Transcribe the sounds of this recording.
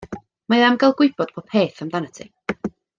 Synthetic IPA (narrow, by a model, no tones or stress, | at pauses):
maðamɡalˠɡwɪɨbɔd̥pʰɔpʰeːθamdanətʰi